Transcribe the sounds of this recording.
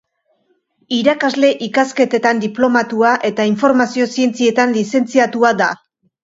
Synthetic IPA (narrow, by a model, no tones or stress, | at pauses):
iɾakazle̞ʔikaske̞t̪e̞t̪and̪iplo̞mat̪uaʔe̞t̪aiɱfo̞ɾmasio̞sie̞nt͡sie̞t̪anlise̞nt͡siat̪uad̪a